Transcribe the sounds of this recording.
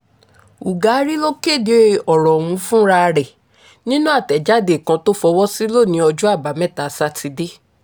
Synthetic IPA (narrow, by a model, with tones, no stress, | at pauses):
u˨ɡa˨˦ɾi˦lo˦ke˦˨de˨˦˨ɔ˨ɾɔ̃˨wũ˨˧˦fũ˦ɾa˦˧ɾɛ˨ | nĩ˦nũ˦a˦˨tɛ˨d͡ʒa˦˨de˨kã˧to˦fɔ˧wɔ˦si˦lo˦˨nĩ˧˦ɔ˧d͡ʒu˦a˦˨ba˨˦mɛ̃˦˨ta˨sa˦ti˧de˦